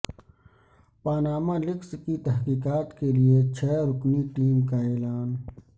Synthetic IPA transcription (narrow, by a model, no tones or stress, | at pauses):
paːnaːmalɪkskit̪ɐɦkiːkaːt̪keliet͡ʃʰɛːɾʊkniʈiːmkaeːlaːn